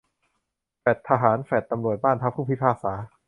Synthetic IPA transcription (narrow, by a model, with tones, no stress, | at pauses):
fɛ˨˩t̪ʰːa˧ɦaː˩˦nfɛ˨˩t̪ːa˧mɾu˨˩t̪̚baː˥˩nt̪ʰa˦˥pʰːuː˥˩pʰi˦˥pʰaː˥˩k̚saː˩˦